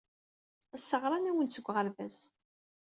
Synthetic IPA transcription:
əsːəʁɾˤɑnæwənsəɡʷːʁəɾvæz

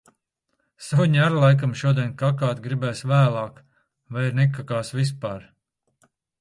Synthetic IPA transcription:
sawɲʲæɾlˠajk̬amʃuɔd̪ʲɛnʲkakaːt̪ɡɾibɛːsvæːlˠaːk | vajɾnɛkakaːsvis̬paːɾ

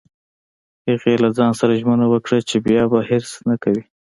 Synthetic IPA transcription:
heɣelazɑnsaɾaʒmənawəkɽat͡ʃebjɑbaheɾsnakawi

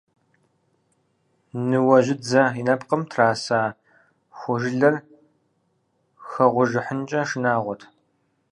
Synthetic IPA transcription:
nɨwɐʑɪd͡zɐinɐpqəmtʰraːsaː | xʷʊʒɪɮɐr | xɐʁʷʊʒɨħənt͡ʃʼɐʂɨnaːʁʷɔtʰ

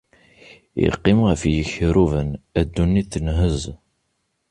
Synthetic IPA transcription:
jḭqːimʁəfjəçɾuvənæd̪ːunːiθənɦəz

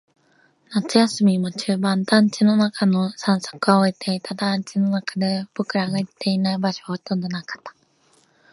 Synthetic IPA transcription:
nat͡sɨjasɨmʲimot͡ɕɨːbãnt̪ãɲ̟t͡ɕino̞nakʰanosãɰso̥kɯ̟ɡaoit̪ʰe̞it̪ʰad̪ãɲt͡ɕino̞nakad̪e̞b̥okɯ̟ɾaɡait̪ʰːe̞inaibaɕoɡat̪õnd̪o̞nakḁt̪ːḁ

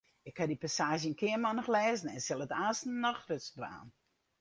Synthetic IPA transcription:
ɪkhadipasaːʒjənkʰɪənmanɔxlɛːzn̩ɛnsɪlˠətaːstn̩nɔxrøtsbʋa̰ːn

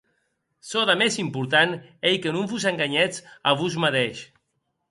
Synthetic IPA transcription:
soðamezimpuɾt̪anejkenũɱfuzeŋɡaɲɛt͡saβuz̬maðeʃ

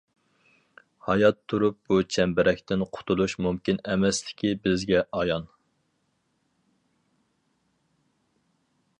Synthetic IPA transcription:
hɑjɑt̪ʰːuɾup̚but͡ʃʰɛmbɪɾɛkʲt̪ɪnqʰʊ̥t̪ʰulˠuʃmumkʲinɛmɛslɪ̥kʲʰibɪzɡʲɛʔɑjɑn

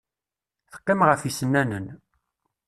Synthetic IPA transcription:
θə̥qːimʁəfisənːænən

